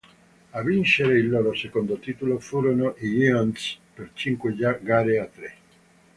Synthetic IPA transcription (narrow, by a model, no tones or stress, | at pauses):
avint͡ʃeɾeilːoɾosekond̪ot̪it̪ulofuɾonoʔijianspeɾt͡ʃiŋkwed͡ʒaɡaɾeat̪ːɾe